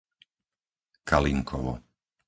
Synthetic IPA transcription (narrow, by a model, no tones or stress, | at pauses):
kʰaliŋkʰɔʋɔ̰